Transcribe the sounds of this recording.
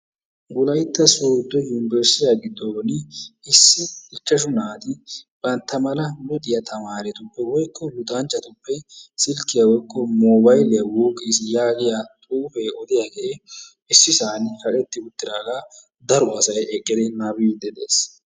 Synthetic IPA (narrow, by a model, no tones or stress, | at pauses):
ɡʊlɐjt̪ːɐsoːd̪ːɔjunɪbɛɾsɪjaɡɪd̪ːonɪɪsːɪɪt͡ʃːɐʃ̬ʊnaːt̪ɪb̥ɐnt̪ːɐmɐlɐmɔd̪ʼɪjɐt̪ʰɐmaːɾɛt̪ʊpːɛwɔjkʰːɔlʊt̪ʼaːnt͡ʃːɐt̪ʊpːɛsɪlkːɪjɐwɔjkːɔmoːbɐjlɛjɐwoːkʼːiːsɪjaːɡɪjat̪ʼuːfeːɔd̪ɪjaɡe | ɪsːɪsaːnhɐʔʼɛt̪ːɪʊt̪ːɪɾaːla | d̪ɐɾʊɐsɐjɛkʼːɪd̪ɛnaːbɪjd̪ɛd̪ḛːs